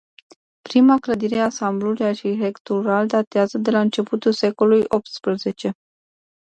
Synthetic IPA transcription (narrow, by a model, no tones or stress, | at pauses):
pɾimakləd̪iɾe̞asambluluijaʃiɾekt̪oɾald̪at̪eazəd̪e̞laɨnt͡ʃe̞put̪ulse̞ko̞lujo̞p̚t̪spɾəze̞t͡ʃe̞